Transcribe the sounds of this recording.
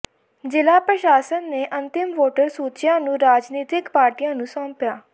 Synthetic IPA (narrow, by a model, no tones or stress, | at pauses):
d͡ʒɪlaːpɾəʃaːsənːeːʔə̃nt̪ɪmʋoːʈəɾsuːt͡ʃɪjãːnũːɾaːd͡ʒniːt̪ɪkpaːɾʈiːãːnũːsɔ̃ːmpjaː